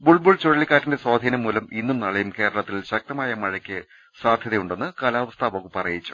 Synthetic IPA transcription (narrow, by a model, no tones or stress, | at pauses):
buɭbuɭt͡ɕoɻɐɭːikʲːaːtːinde̞swaːd̪ʱiːnɐmːuːlɐminːumnɐɭɐjumke̞ːɾɐɭɐt̪ːilɕɐk̚t̪ɐmaːjɐmɐɻɐkʲːɨ | saːd̪ʱjɐðɐjuɳɖe̞nːɨkɐlaːʋɐst̪ʰaːʋoːkːupːɐrɐjit͡ɕːu̥